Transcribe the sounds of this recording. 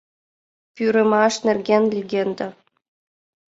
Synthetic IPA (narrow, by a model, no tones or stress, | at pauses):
pʲyɾɘ̆mɑʃnerɡʲenlʲiɡʲend̪ɤ̆